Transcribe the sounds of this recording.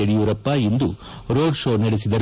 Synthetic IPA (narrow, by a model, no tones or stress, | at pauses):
eɽijuʋɾɐpːaind̪u | ɾo̞ːɖʂoːnɐɽesid̪ɐɾ